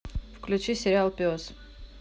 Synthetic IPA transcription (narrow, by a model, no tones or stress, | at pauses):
fklʲut͡ʃisʲeɾʲɪalˠpʲiɔs